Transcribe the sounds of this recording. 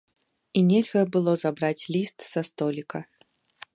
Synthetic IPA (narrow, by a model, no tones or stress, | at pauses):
inʲɛlʲɣɐbɨlˠɔzabɾat͡sʲlʲist̪sast̪ɔlʲikɐ